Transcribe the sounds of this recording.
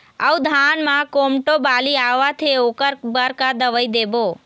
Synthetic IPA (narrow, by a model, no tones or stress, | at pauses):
ə̰ud̪ʱanmãkomʈobaliaʋat̪ʰeokəɾbəɾkad̪əʋəjd̪ebo